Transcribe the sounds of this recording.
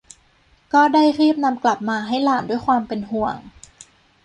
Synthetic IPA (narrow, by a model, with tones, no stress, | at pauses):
kɔː˥˩daː˥˩jɾiː˥˩p̚na˧mkla˨˩p̚maː˧ɦa˥˩jlaː˨˩ndu˥˩əjkʰwaː˧mpe˧nɦu˨˩əŋ